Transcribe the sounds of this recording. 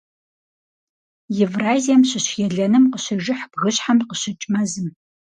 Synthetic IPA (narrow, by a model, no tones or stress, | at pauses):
jɛvraːzijɛmɕɪɕjɛɮɐnɨmqəɕɐʒɪħb̥ɣɨɕħamqəɕɪt͡ʃʼmɐzɨm